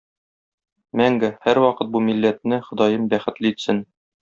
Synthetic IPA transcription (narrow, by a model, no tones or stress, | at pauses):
mæŋɡɘhæɾwɒqɤt̪̚bumilːæt̪̚nɘχŏd̪ɑjɤmbæχɘ̆t̪lɘit̪sɘn